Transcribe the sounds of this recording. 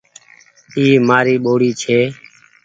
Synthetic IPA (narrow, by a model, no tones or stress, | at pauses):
iːmaːɾiːɓoːɽiːt͡ʃʰeː